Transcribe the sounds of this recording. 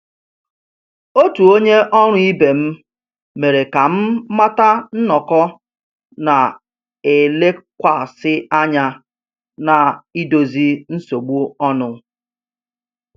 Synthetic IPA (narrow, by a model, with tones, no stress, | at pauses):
o˦tu˨o˦ɲe˦ʔɔ˦ɾ̃ʊ˦i˦be˨m̩˦ | me˨ɾe˨ka˨m̩˦ma˦ta˦n̩˦nɔ˨kɔ˦ | na˨ | e˨le˦kʷa˨sɪ˦a˦ɲa˦ | na˨i˦do˨zi˦n̩˦so˨ɡ͡bu˦ɔ˦nʊ˨